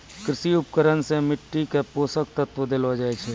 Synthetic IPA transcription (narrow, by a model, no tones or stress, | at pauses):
kɾɪsiʊp̚kəɾənsemɪʈːikepoːsək̚t̪ət̪wəd̪eːlod͡ʒaːet͡ʃʰe